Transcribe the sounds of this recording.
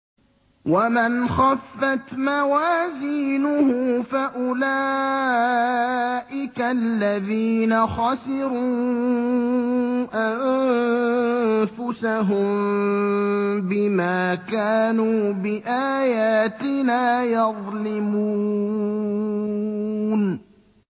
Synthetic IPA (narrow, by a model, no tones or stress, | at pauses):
wamɪnxafːat̪mawaːziːnʊhʊfaʔʊlaː | ʔɪkalːaðiːnaxɑsɪɾuː | ʔan | fʊsaɦʊm | bɪmaːkaːnuːbɪʔaːjaːt̪ɪnaːjɑðˤlɪmu | n